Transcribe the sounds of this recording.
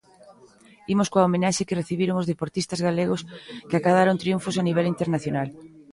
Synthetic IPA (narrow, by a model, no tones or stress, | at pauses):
imoskoaomenaʃekɪreθiβiɾoŋʊzðepoɾt̪ist̪ɐzɣaleɣoskɪakaðaɾont̪ɾiuɱfosaniβ̞ɛlint̪eɾnaθjonal